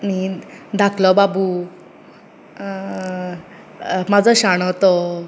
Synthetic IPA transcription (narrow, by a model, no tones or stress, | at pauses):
nid̪ʱakʰlɔbabu | mad͡zɔɕaɽ̃ɔt̪ɔ